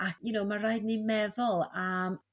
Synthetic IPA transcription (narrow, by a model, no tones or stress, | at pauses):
akʰjʊnowmaraɨdnimɛðɔlˠam